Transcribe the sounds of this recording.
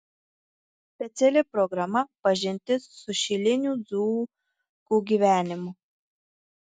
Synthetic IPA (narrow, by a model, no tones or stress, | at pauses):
sʲpʲɛt̪sʲɛlʲɪpɾɔɡɾɐmɐpɐʒʲɪnʲt̪ʲɪssʊʃʲɪlʲɪnʲuːd̪zuː | kuːɡʲiʋʲæːnʲɪmʊ